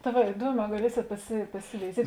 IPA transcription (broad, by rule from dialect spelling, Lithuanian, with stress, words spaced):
tɐ ˈʋɐ ɪˈduɔˌmʲɛː ɡɐˈlʲiɛsʲeːt pɐsʲɪ pɐsʲɪʋʲɛɪˈzʲiɛtʲ